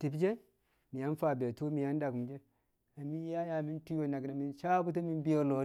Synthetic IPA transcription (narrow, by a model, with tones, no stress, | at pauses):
ti˨bd͡ʒe˦ | mi˨ja˦n˦fa˨be˨tu˦mi˨ja˦n˦da˨ɡu˨md͡ʒe˦ | a˨mi˦ja˦ja˨mi˦ntu˦jo˨na˨ɡna˨mi˨nʃa˦bu˦t̬a˦mi˦nbi˦o˨lo˨˦